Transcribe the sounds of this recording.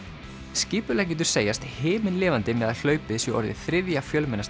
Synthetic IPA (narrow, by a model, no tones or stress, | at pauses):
sciːpʏlac̬ɛːt̪̬ʏɾ̥seːjast̪hɪːmɪnlɪːvant̪ɪmɛːðaðll̥œːɥpɪðsvɛɔ̰ɾðɪ̰θɾɪðjafjœlmɛnːas